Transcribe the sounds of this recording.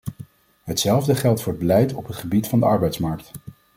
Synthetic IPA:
ɦətsɛlˠvdəχɛlˠtfʊːɹəd̚bəlɛjtɔpɦətχəbitfɑndəɑɹbɛjtsmɑɹk̚t

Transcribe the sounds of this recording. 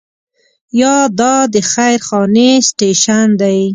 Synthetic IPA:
jɑd̪ɑd̪əxajɾxɑnesʈeʃand̪aj

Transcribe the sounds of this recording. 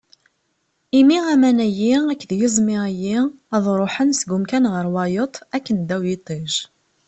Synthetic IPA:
imiʁæmænæjiækːðjəzˤmɪʁæjiæðˤɾˤoħənsɡʊmkænʁəɾwɑjət̪ˤækːənd̪æwjit̪ˤeʒ

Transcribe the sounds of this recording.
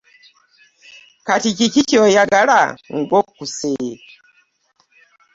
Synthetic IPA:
katikikit͡ʃiɔjaɡalaŋ̩ɡɔkːusɛ

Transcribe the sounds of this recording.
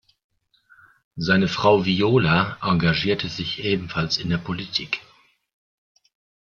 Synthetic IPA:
zaɪnəfʁ̥aʊvioːlaʔaŋɡaʒiːɐtʰəzɪçʔeːbm̩falsɪndeːɐpʰolitʰiːk

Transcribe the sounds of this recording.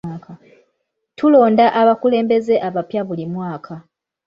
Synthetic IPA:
ka | tulo̞ːndaʔaβakule̞ːmbe̞ze̞ʔaβapjaβulimwaːkʰa

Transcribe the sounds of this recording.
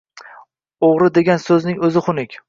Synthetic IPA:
oʁɾɪd̪e̞ɡʲansɵznɪŋɵzɪχʊnɪkʲ

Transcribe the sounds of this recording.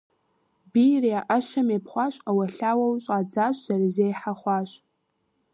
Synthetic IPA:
bijrijaʔaʃamepʰχʷaʃʷʼawaɬʲawalɕʷʼad͡zaʃʷzarizejħaχʷaʃʷʼ

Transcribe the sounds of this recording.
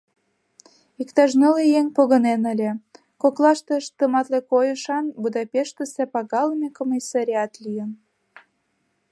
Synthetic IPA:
ikt̪ɑʃnɤlejeŋpoɣə̆nenəlʲĕ | koklɑʃt̪ə̆ʃt̪əmɑt̪lekojəʃɑnbud̪ɑpʲeʃt̪əsepɑɣɑləmʲekomʲisɑɾʲiɑt̪lʲijən

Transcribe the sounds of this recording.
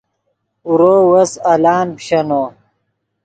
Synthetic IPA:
uɾoːwɐsɐlaːnpɕɐnoː

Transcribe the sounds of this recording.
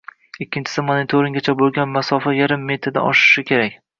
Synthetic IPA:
ɪkʲːɪnt͡ʃʰɪ̥sɪmanɪt̪ʰoɾɪŋɡʲat͡ʃʰabolˠɡʲanmasɒfajaɾɪmːe̞t̪ʰɾɪd̪a̰ʔɒʃɪ̥ʃɪkʲʰe̞ɾakʲ

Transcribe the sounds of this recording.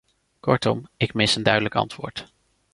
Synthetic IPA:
kɔɹtɔmɪkmɪsəndœɥdələkɑ̰ntʋʊ̰ːɹt

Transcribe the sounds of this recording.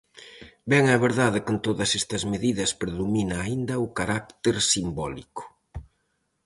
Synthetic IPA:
bɛŋɛβeɾðaðɪkɪnt̪oðɐsest̪ɐzmeðiðɐspɾeðuminɐːind̪ɐʊkaɾak̚t̪eɾsimbɔlikʊ̥

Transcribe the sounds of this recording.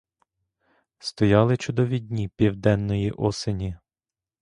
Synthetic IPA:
st̪ɔjɑlˠɪt͡ʃʊd̪ɔʋʲid̪ʲnʲipʲiwd̪ɛnːɔjiʔɔsenʲi

